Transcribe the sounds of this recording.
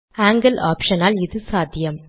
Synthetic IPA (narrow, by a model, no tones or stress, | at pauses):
aːŋɡɐlʔa̰ːpʂɐnaːlɪðɯsaːd̪ʱjɐm